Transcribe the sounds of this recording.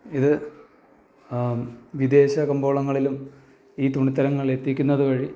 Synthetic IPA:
iðɨ | ʋid̪e̞ːɕɐkɐmbo̞ːɭɐŋːɐɭilum | iːt̪uɳit̪ːɐɾɐŋːɐɭe̞t̪ːikʲːunːɐðukɐɻi

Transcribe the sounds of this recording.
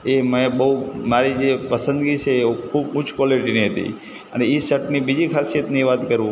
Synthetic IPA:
eməebəɦumaɾid͡ʒepəsənd̪ɡit͡ʃʰeːkʰubʊt͡ʃʰkwaliʈiniɦət̪ḭ | əneisəʈnibid͡ʒikʰaset̪niʋat̪kəɾʋũ

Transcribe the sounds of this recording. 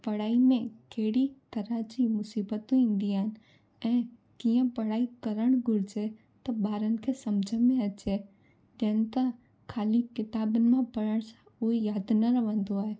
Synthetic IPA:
pɐɽaːimẽkeɦɽit̪ɐɾad͡ʑimʊsiːbət̪õĩːn̆d̪iaːɪnɪ̆ | ɛ̃ː | kiːə̃pɐɽaːikɐɾəɽ̃ɡʱʊɾɪd͡ʑe | t̪ɐbaːɾənɪ̆kʰeːsɐmd͡ʑʱəmẽɐt͡ɕe | d͡ʑɐnɪ̆t̪ɐ | kʰaːlikɪt̪aːbənɪ̆mãpɐɾəɽ̃sãʊɦejaːd̪nɐɾɐʋə̃nd̪oaːɦe

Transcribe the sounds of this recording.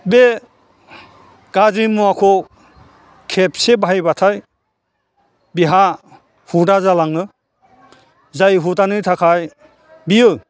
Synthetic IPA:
be | ɡ̥azimuakʰɔ | kʰep̚sebajbatʰaj | biɦa | hudazalaŋɯ | zajɦutanɯtʰakʰaj | bijɯ

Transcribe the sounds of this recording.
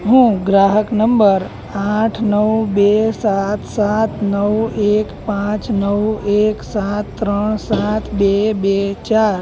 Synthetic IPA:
ɦũːɡɾaɦəknəmbəɾ | aʈʰnəwbesat̪sat̪nəweːkpãt͡ʃnəweːksat̪ːɾəɳsat̪ʰbebet͡ʃaːɾ

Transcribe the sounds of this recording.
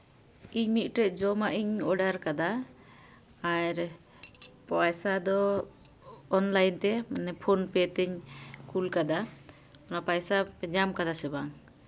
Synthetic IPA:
iɲmit̪̚ˀʈɛd͡ʒɔmaʔiɲɔɖaɾkad̪a | aɾ | pajsad̪ɔ | nlajnt̪ɛmnɛpʰonpɛt̪ɛɲkulkad̪a | ɔnapajsapɛɲamkad̪asɛbaŋ

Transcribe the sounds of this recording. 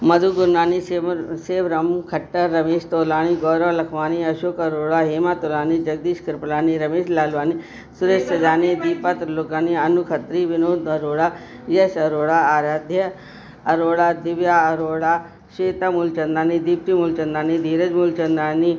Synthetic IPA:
mɐd̪ʱuɡʊɾnaːniseːʋɾɐmkʰɐʈːɐɾːɐmeːʃt̪oːlaːniɡɔːɾɔːlɐkʰʋaːniɐʃoːkɐɾoːɭaɦeːmaːt̪oːlaːnid͡ʒɐɡ̚d̪iːʃkɐɾpɐlaːniɾɐmeːʃlaːlʋaːni | sʊɾeːʃsɐd͡ʒaːnid̪iːpat̪ɾloːkaːniɐnukʰɐt̪ɾiʋɪnoːd̪ɐɾoːɽaː | jɐʃɐɾoːɽaaːɾaːd̪ʱjɐ | ɐɾoːɽad̪ɪʋjaɐɾoːɽaː | ʃeːt̪amult͡ʃɐnd̪aːnid̪iːp̚t̪imult͡ʃɐnd̪ɾaːnid̪ʱiːɾɐd͡ʒmult͡ʃɐnd̪ɾaːni

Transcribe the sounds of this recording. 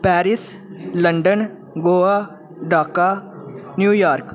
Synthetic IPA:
pɛːɾɪs | lə̃ɳɖən | ɡoːa | ɖaːka | njuːjaːɾk

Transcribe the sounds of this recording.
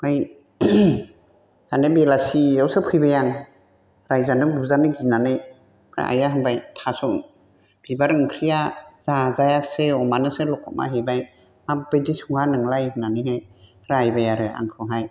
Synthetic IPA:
mɯj | ɡanebelasiawsɯpʰɯjbajaŋ | ɾajzanɯbuzanɯɡinanɯj | pʰɾa̰ʔa̰jaɦɯŋbajtʰasɔŋ | b̥ibaɾɯŋkʰɾijazazajasɯɔmanɯsɯlɔkʰɔma̰ɦebaj | mabɯjdisuŋanɯŋlajhɯnanɯɦaj | ɾajbajaɾɯa̰ŋkʰɾɔɦaj

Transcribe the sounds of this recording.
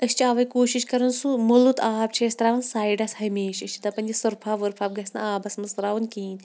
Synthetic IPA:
ɐst͡ʃʰiaːʋɐjkoːʃiʃkɐɾɨnsumulut̪aːb̚t͡ʃʰɐːsʲt̪ɐɾaːʋɐnsaːiɖɐshɐmeːʃɐst͡ʃʰi̥t̪ɐpɐnʲd͡ʒisɐɾpʰaːʋɐɾfʰaːb̚ɡɐsnɐ̰aːbɐsmɐnsɾaːʋunkiːn

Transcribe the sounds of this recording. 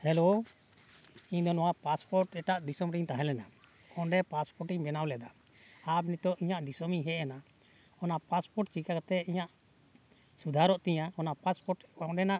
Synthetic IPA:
hɛlo | iɲd̪ɔnɔwapaspɔɾʈɛʈaʔd̪isɔmɾiɲt̪aɦɛ̃lɛna | ɔɖɛpaspɔɾʈiɲbɛnawlɛd̪a | abnit̪ɔʔiɲaʔd̪isɔmiɲɦɛana | ɔnapaspɔɾʈ̚t͡ʃikakt̪ɛiɲaʔ | sud̪ʱaɾɔʔt̪ɛɲakɔnapaspɔʈɔɖɛnaʔ

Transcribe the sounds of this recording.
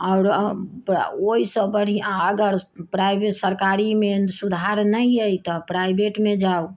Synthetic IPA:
aʊɾpoisə̃bəɽ̤ijãəɡəɾpɾajbesəɾkaɾimesud̪ʱaɾnəjəjt̪ɔpɾajbeʈmed͡ʒau

